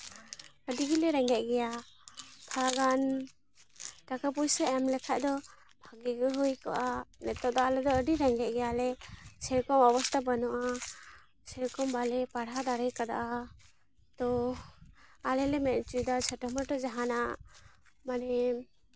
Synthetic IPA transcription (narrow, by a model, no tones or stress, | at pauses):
əɖiɡilɛɾɛŋɡɛʔ̚ɡɛja | p̪ʰaaɡan | ʈakap̬ujsɛɛmlɛkʰaʔd̪ɔ | bʱaɡiɡɦujkaʔanɛt̪ːɔʔd̪ɔalɛd̪ɔəɖiɾɛŋɡɛʔ̚ɡɛjalɛsɛɾkɔmɔbɔst̪ʰabanɔʔa | sɛɾkɔmbalɛpaɽɦad̪aɾəjkad̪a̰ʔa | t̪ɔ | alɛlɛmɛt̪̚t͡ʃujd̪at͡ʃʰəʈɔməʈɔd͡ʒaɦana | manɛ